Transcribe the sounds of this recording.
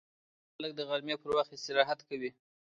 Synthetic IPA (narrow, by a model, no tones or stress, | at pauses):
xalək̚d̪əɣaɾmjepəɾwaxt̪est̪ɪɾɑɦat̪kawi